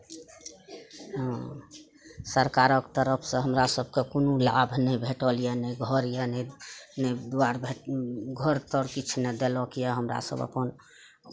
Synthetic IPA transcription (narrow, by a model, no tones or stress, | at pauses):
səɾkaɾəkt̪əɾəpʰsə̃ɦəmɾasəb̚ʱkekonula̰bʱnɛjbʱeʈəlijanɛɡʱəɾjanɛnɛd̪waɾbʱeɡʱəɾt̪əɾkit͡ʃʰnɛd̪elɔkijɛɦəmɾa̰sə̰bə̰pən